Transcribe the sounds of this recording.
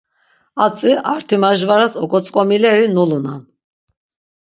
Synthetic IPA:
at͡sʼiʔaɾt̪ʰimaʒvaɾasɔkʼɔt͡sʼkʼɔmilɛɾinulunan

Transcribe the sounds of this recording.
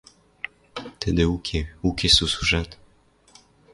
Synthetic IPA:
t̪ʰed̪eukʰeukesusu̥ʒɛt̪

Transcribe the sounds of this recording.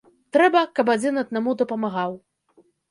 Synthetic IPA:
t̪ɾɛbɐkɐpad͡zʲinɐd̪̚namud̪ɐpɐmaɣaw

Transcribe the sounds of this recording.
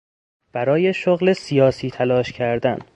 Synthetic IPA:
b̥æɾɒːje̞ʃoɣle̞sijɒːsiːt̪ʰælɒːʃcʰæɾd̪æn

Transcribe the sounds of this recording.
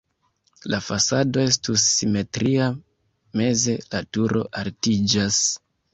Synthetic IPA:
lafasado̞e̞stusːime̞tɾia | me̞ze̞latuɾo̞̰ʔaltid͡ʒas

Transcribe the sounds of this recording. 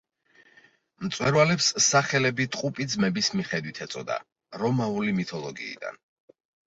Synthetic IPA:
mt̪sʼwɛɾvalɛpsːaχɛlɛbit̪ʼqʼupʼid̪zmɛbismiχɛd̪wit̪ʰɛt̪sʼɔd̪a̰ | ɾɔmaulimit̪ʰɔlˠɔɡḭːd̪a̰n

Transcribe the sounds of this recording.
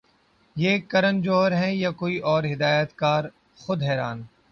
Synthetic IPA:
jeːkɐɾənd͡ʒoːəɾɦɛ̃jakoːiʔɔːɾɦɪd̪aːjət̪kaːɾ | xʊd̪ɦɛːɾaːn

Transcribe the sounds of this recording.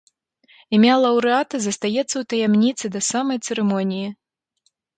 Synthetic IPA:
imʲalˠɐwɾɨat̪ɐzɐst̪ajɛt̪sːɐwt̪ɐjamnʲit̪sɨd̪ɐsamɐjt̪sɛɾɛmɔnʲiji

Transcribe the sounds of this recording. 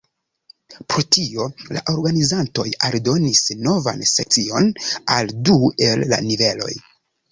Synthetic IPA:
pɾotio̞la̰ʔo̞ɾɡanizanto̞jaldo̞nisno̞va̰nse̞k̚t͡sio̞naldue̞lːa̰nive̞lo̞̰j

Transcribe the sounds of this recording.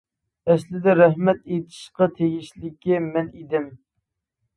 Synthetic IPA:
ɛslɪd̪ɛɾɛhmɛt̪et̪ʰɪ̥ʃqɑt̪ʰeɡʲiʃlɪkʲimɛnid̪ɪm

